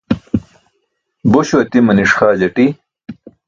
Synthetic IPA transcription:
boɕuɐt̪imɐniʂxaːd͡ʑɐʈi

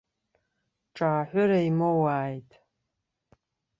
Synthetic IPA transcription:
ʈ͡ʂʼaːħʷʊɾaimowaːjtʼ

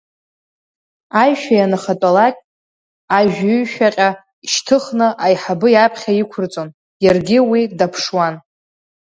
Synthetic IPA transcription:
ajʃᶣajanɨχatʼalakʲʼ | aʒᶣʏɥʃᶣaqʲʼa | iʃtʰɨχnɨʔajħabɨjapʰχʲaikʷʰʊrt͡sʼon | jarɡʲɪwidapʰʂwan

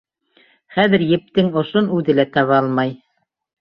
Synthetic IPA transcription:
χæðɘ̆ɾjɘ̆p̚t̪ɘŋŏʃonʉðɘ̆læt̪ɑβɑɑlˠmɑj

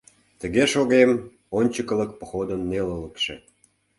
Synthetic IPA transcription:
t̪əɣeʃoɣem | onʲt͡ɕəkələ̆k̚pə̥xod̪ənːelələkʃḛ

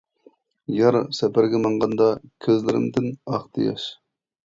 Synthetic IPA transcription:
jɑɾsɛpʰæɾɡʲɛmɑɴʁɑnd̪ɑkʲʰøzlɪɾɪ̰md̪ɪnɑχt̪ʰɨjɑ̰ʃ

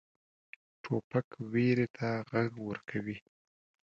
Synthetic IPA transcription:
ʈʰopakweɾet̪ʰaɣaɡwəɾkʰawi

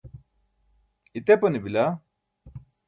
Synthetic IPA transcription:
it̪eponibila

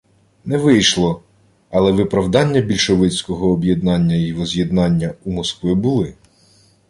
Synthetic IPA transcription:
nɛʋɪjʃlˠɔ | ɐlˠɛʋɪpɾɐwd̪ɑnʲːɐbʲilʲʃeʋɪt͡sʲkɔɦɔːbje̞d̪̚nɑnʲːɐirɔzʲjed̪nɑnʲːɐumɔskʋɪbulˠɪ

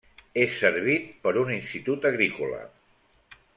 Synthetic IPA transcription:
esːəɾβit̪̚pəɾuninst̪it̪ut̪əɣɾikulə̰

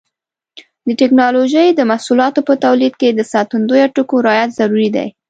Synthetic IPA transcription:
d̪əʈɪknɑloʒəjd̪əmasulɑt̪opət̪awlid̪̚ked̪əsɑt̪und̪ojaʈukoɾɑjat̪zaɾuɾid̪a̰j

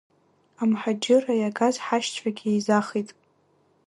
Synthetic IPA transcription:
amħad͡ʒɪrajaɡazħaʃt͡ʃʷʰʼaɡʲiizaχitʼ

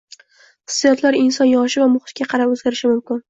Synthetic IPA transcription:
χɨ̥sːijɒt̪ʰlaɾɪnsɒnjɒʃɪvamʊχɨt̪̚ɡʲaqʰɑɾapɵzɡʲaɾɪʃɪmʊmkʲɪn

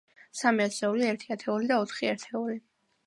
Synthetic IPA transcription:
samiat̪ʰsɛuliɛɾt̪ʰiat̪ʰɛulid̪aɔt̪ʰχiɛɾt̪ʰɛuli

